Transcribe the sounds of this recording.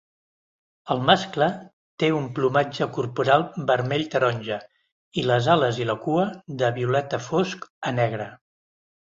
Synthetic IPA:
əlˠmasklə | t̪eumplumad͡ʒəkurpuɾalˠbəɾmɛʎt̪əɾɔnʲʒə | iləzaləziləkuəðəβiulɛt̪əfoskənɛɣɾə

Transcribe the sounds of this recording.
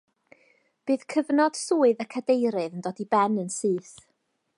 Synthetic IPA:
b̥ɨːðkʰəvnɔd̥suːɨðəkʰədejɾɨðəndɔdibɛnənsɨːθ

